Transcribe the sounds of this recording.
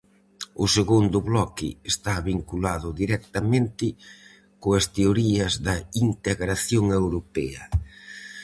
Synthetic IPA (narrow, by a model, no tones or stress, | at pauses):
ʊseɣund̪ʊβlɔkɪ̰est̪aβiŋkulaðʊðiɾɛk̚t̪ɐmẽnt̪ɪ | koɐst̪eoɾiɐzðɐint̪eɣɾaθjoŋewɾopɛɐ